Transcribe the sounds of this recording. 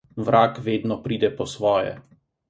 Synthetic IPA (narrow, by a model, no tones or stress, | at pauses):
ʋɾʔaːkʋeːd̪nɔpɾiːd̪ɛpɔsʋɔːjɛ̰